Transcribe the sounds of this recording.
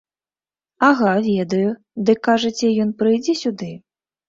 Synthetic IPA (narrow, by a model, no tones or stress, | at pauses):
aɣavʲɛd̪ɐju | d̪ɨkːaʐɐt͡sʲɛjɔnpɾɨjd͡zʲɛsʲud̪ɨ